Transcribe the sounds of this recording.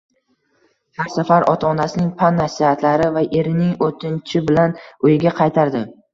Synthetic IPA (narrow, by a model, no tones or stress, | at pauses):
haɾsafaɾʔɒt̪ʰaːnasɪnɪŋpʰanːasihat̪ʰlaɾɪvaʔe̞ɾɪnɪŋot̪ʰɪnt͡ʃʰɪbɪlanʊjɪɡʲaqʰɑjt̪ʰaɾd̪ɪ